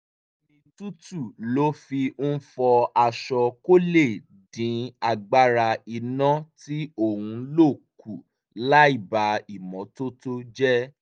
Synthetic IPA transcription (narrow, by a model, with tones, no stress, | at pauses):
o˧mĩ˧tu˦tu˦˨lo˨˦fi˧n̩˦fɔ˧a˧ʃɔ˧ko˦le˦˨ | dĩ˨˦a˧˨ɡ͡ba˦ɾa˧i˧nã˦ti˦o˦˨hũ˧˦lo˦˨ku˨ | la˦i˦˨ba˨˦i˦˨mɔ̃˨˦to˦to˦d͡ʒɛ˦